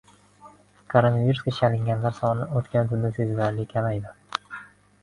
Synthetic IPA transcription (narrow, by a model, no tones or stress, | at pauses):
kʰoɾonaviɾuskʰʲt͡ʃʰalɪŋɡʲanlaɾsɒnɪot̪kʲʰant̪ʰʊɾd̪asezlaɾlɪkʲʰamajd̪ɪ